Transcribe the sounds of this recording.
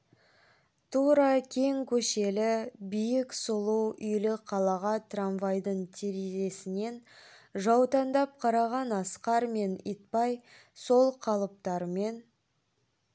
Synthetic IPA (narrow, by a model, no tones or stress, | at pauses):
t̪ʰuɾɑkʲʰe̞ŋkʲʰɵʃe̞lɪbijɪksʊlˠuwʏjlɪqʰɑlˠɑʁɑt̪ʰranvɑjd̪əɴt̪ʰeɾeʒe̞sɪne̞nʒɑwt̪ɑnd̪ɑp̚qʰɑɾɑʁɑnɑsqɑɾme̞nḭt̪̚pɑj | so̞lˠqʰɑlˠəp̚t̪ɑɾme̞n